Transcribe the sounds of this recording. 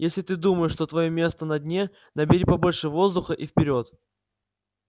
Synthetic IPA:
jesʲlʲɪt̪ɨd̪uməjɪʂt̪o̞t̪vɐjomʲe̞st̪ənɐdʲnʲe̞ | nəbʲɪɾʲipɐbo̞lʲʂɨvo̞zd̪ʊxəʔifpʲɪɾʲo̞t̪

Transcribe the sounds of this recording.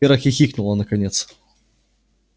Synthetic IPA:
eɾəxʲɪxʲiknʊlˠənəkɐnʲet̪s

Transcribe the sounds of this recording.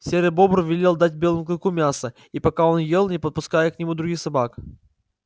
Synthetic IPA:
sʲeɾʲəbobɾvʲɪlʲelˠd̪atʲbʲelˠəmkɐkumʲasə | ipɐkao̞njelˠnʲɪpət̪̚pʊskajəknʲɪmud̪ɾʊɡʲixsɐbak

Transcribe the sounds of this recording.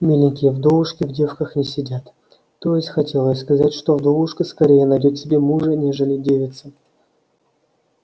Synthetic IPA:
mʲelʲɪnʲkʲɪjəvd̪o̞vˠʊʂkʲɪvdʲe̞fkəxnʲɪsʲɪdʲat̪ː | o̞jɪsʲtʲxɐtʲe̞lˠəsʲskɐzatʲʂt̪o̞vd̪o̞lˠʊʂkəskɐɾʲejənɐjdʲot̪ʲsʲɪbʲe̞muʐənʲe̞ʐəlʲɪdʲevʲɪt̪sə

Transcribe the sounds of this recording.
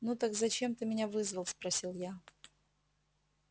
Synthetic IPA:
nut̪akzɐt͡ɕemt̪ɨmʲɪnʲavɨzvəlˠspɾɐsʲilˠja

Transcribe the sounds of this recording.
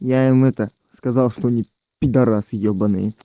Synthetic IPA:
jaɪmɛt̪ə | skɐzɑlˠʂt̪oɐnʲi | pʲɪd̪ɐɾasɪjobɐnɨ̰j

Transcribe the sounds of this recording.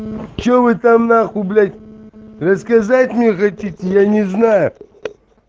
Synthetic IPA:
t͡ʃovɨt̪amnaxʊblʲatʲrɐskɐzatʲmnʲexɐtʲitʲɪjanʲɪznajʊ

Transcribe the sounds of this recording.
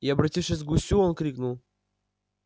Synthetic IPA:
ɪɐbɾɐtʲifʂʲɪsʲɡʊsʲuonkɾʲiknʊlˠ

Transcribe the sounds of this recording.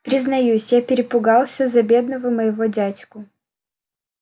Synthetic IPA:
pɾʲɪznɐjusʲjapʲɪɾʲɪpʊɡɑlˠsʲəzɐbʲe̞d̪nəvəməjɪvodʲatʲkʊ

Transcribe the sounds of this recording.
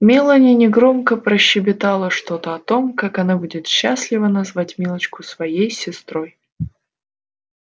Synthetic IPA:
mʲelˠənʲɪnʲɪɡɾo̞mkəpɾəɕːɪbʲɪt̪alˠəʂt̪o̞t̪əɐt̪o̞mkakɐnabudʲɪt̪ɕːasʲlʲɪvənɐzvatʲmʲilˠət͡ɕkʊsvɐjejsʲɪst̪ɾo̞j

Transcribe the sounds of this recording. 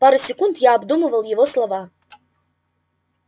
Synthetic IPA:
paɾɨsʲekundjaːbd̪umɨvɐlˠjivo̞slˠava

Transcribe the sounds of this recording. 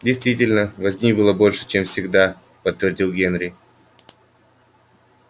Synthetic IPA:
dʲɪjst̪vʲitʲɪlʲnəvɐzʲnʲibɨlˠəbo̞lʲʂɨ̥t͡ɕemfsʲɪɡd̪a | pət̪ːvʲɪrdʲilˠɡʲenɾʲɪ

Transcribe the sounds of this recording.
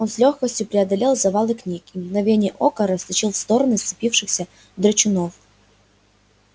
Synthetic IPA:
o̞nslʲoxkəsʲtʲjʊpɾʲɪɐd̪ɐlʲelˠzɐvalˠɨknʲikimɡnɐvʲenʲɪjəʔokəɾəst̪ʲɪt͡ɕilˠfst̪o̞ɾənɨst̪sɨ̥pʲifʂɨxsʲə | d̪ɾət͡ɕɪnof

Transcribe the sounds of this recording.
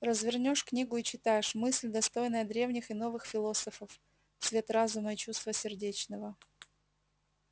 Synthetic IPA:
rəzvʲɪrnʲo̞ʂknʲiɡʊit͡ɕɪt̪ajɪʂmɨsʲlʲd̪ɐst̪o̞jnəjəd̪ɾʲe̞vnʲɪxɪno̞vɨxfʲɪlˠo̞səfəf | svʲe̞t̪razʊməit͡ɕust̪vəsʲɪrdʲet͡ɕnəvə

